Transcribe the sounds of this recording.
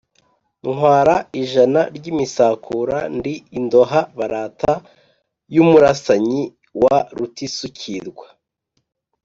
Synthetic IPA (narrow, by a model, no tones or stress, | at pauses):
ŋwaːɾaiʒanaɾɟimisakʰuɾandiːndo̞ɦaβaɾaːtʰa | jumuɾasaɲi | waɾutisucʰiɾɡwa